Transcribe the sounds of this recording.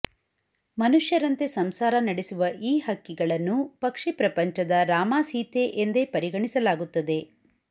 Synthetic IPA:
mɐnuʂjɐɾɐnt̪e̞sɐmsaːɾɐnɐɽesuʋɐʔiːɦɐkːiɡɐɭɐnːupɐkʂipɾɐpɐɲt͡ʃɐd̪ɐɾaːmaːsiːt̪e̞ʔend̪e̞pɐɾiɡɐɳisɐlaːɡut̪ːɐd̪e̞

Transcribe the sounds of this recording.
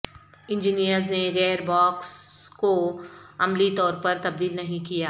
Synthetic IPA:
ɪ̃nd͡ʒinijəɾzneɣɛːɾbɔːkskoɐmlit̪ɔːɾpɐɾt̪ɐb̚d̪iːlnɐɦĩkijaː

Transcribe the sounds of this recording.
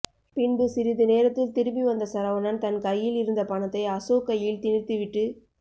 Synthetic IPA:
pɪnbɯsɪɾɪðɯneːɾɐt̪ːɪlt̪ɪɾɯbiʋɐnd̪ɐsɐɾɐʋɐnɐnt̪ɐnkɐjːɪlɪɾɯnd̪ɐpɐɳɐt̪ːɐɪɐsoːkːɐjɪlt̪ɪnɪrt̪ːɯʋɪʈːɯ

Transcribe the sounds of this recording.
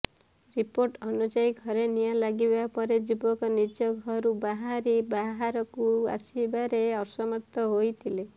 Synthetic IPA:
ɾipoɾʈɔnud͡ʒajɡʱɔɾenijalaɡibapɔɾed͡ʒubɔkɔnid͡ʒɔɡʱɔɾubaɦaɾibaɦaɾɔkua̰sibaɾeɔɾsɔmaɾt̪ɔɦojt̪ʰile

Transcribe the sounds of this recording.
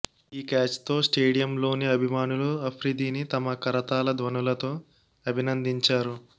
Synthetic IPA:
iːkaːt͡ʃt̪o̞ːsʈe̞ːɽijɐmlo̞ːniɐbʱimaːnuluɐpʰɾid̪iːnit̪ɐmɐkɐɾɐt̪aːlɐd̪ʋɐnulɐt̪o̞ː | ɐbʱinɐnd̪iɲt͡ʃaːɾu

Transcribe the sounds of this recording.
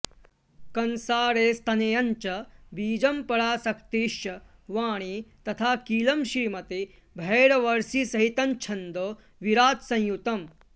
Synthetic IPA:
kɐnsaːɾeːst̪ʰɐnejɐɲt͡ʃɐbiːd͡ʒɐmpɐɽaːsɐkt̪iːʃjɐʋaːɳ̃it̪ɐt̪ʰaːkiːlɐmʃiːmɐt̪i | bʱeːɽɐʋɐɾsisɐɦit̪ɐnt͡ʃʰɐnd̪oː | ʋiɾaːt̪sɐ̃j̃jut̪ɐm

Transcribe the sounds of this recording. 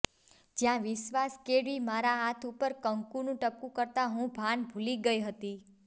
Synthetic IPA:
d͡ʒjãʋɪʃʋaskeɽimaɾaɦat̪ʰupəɾkəŋkunũʈəp̚kũkəɾt̪aɦũbʱanbʱuliɡəjɦət̪i

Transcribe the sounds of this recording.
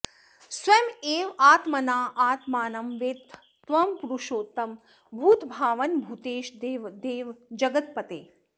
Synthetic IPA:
sʋɐmeːʋaːt̪mɐnaːʔaːt̪maːnɐmʋeːt̪ː | ʋɐmpuɾuʃoːt̪ɐm | bʱuːt̪bʱaːʋɐnbʱut̪eːʃd̪ʋd̪eːʋd͡ʒɐɡɐt̪̚pɐt̪eː

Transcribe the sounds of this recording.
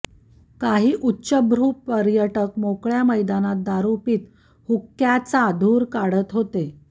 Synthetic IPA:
kaɦiːʔutːɕəbɾuːpəɾjəʈəkmokɭjaməjd̪anat̪̚d̪aɾupiːt̪ | hukːjat͡sad̪ʱuːɾkaɽ̤ət̪ɦot̪e

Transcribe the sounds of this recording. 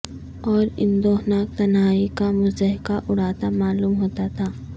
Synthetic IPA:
ɔːɾɪ̰nd̪oːɦnaːk̚t̪ɐnɦaːikamʊzd̪əɦɪkaʔʊɽ̤aːt̪amaːluːmɦoːt̪at̪ʰaː

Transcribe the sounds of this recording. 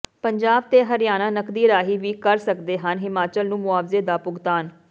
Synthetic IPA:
pəɲd͡ʒaːb̚t̪eːɦəɾjaːnãːnəkd̪iːɾaːɦiːʋiːkəɾsəkd̪eːɦənɦɪmaːt͡ʃəlnũːmʊaːʋzeːd̪aːpʊɡt̪aːn

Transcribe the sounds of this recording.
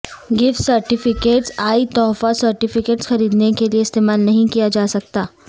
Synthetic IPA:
ɡɪft̪sɐɾʈɪfɪkeːʈsaːit̪ɔːfasɐɾʈɪfɪkeːʈsxɐɾiːd̪nekelieɪst̪eːmaːlnɐɦĩkijad͡ʒaːsɐk̚t̪aː

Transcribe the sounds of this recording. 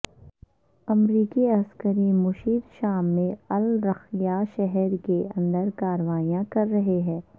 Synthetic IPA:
ɐmɾiːkiɐskəɾimʊʃiːd̪ʃaːmːẽɐlɾɐxijaʃɛɦɛɾkeɐ̃nd̪əɾkaːɾəʋaːijãkɐɾːɐɦeɦɛ̃ː

